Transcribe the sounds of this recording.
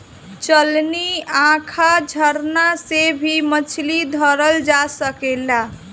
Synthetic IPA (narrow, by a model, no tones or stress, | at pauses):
t͡ʃəlniãkʰad͡ʒʱəɾnasebʱimət͡ʃʰlid̪ʱəɾəld͡ʒasəkela